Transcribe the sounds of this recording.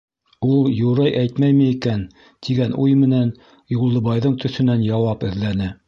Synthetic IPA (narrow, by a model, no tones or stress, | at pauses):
ulˠjuɾɑjʔæjt̪mæjmɘikæn | t̪ʰiɡænʔujmɘ̆næn | julˠːɤ̆βɑjðɤɴt̪ɵ̆θɵ̆nænjɑwɑpɘ̆ðlænɘ